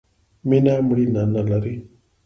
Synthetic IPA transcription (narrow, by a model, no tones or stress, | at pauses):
minamuɽinanalaɾi